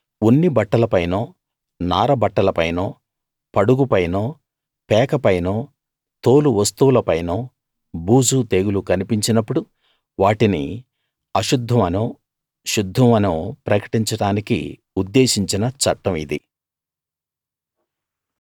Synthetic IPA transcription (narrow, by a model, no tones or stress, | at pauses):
onːibɐʈːɐlɐpɐjnoː | naːɾɐbɐʈːɐlɐpɐjnoː | pɐɽuɡupɐjnoː | pɛːkɐpɐjnoː | t̪o̞ːluʋɐst̪uwulɐpɐjnoː | buːd͡ʒut̪eːɡulukɐnipiɲt͡ʃinɐpːuɽu | ʋaːʈinḭ | ɐʃud̪ʱːɐmɐnoː | ʃud̪ʱːɐmɐnuːpɾɐkɐ̥ʈiɲt͡ʃɐɽaːnikḭ | ud̪ːe̞ːʃiɲt͡ʃinɐt͡ʃɐ̰ʈːɐmḭd̪ḭ